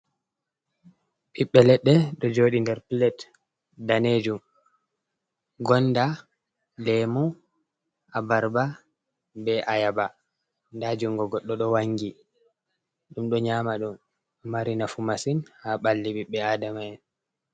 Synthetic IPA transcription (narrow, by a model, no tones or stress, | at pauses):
ɓiɓːɛlɛɗːɛɗɔd͡ʒoːɗindɛɾpilɛt | daned͡ʒum | ɡɔnːda | lɛmu | ʔabaɾba | bɛʔajaba | ndad͡ʒuŋɡɔɡɔɗːɔɗɔwaŋɡi | ɗumɗɔɲaːmaɗumː | aɾinafumasinhaɓalːiɓiɓːɛaːdamaɛn